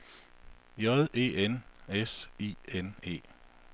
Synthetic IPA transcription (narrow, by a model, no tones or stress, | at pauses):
jɒðˠʔe̝̰ːenesiːenḛː